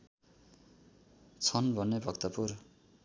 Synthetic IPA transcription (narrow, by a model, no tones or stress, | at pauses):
t͡sʰʌnbʱʌnːebʱʌkt̪ʌpur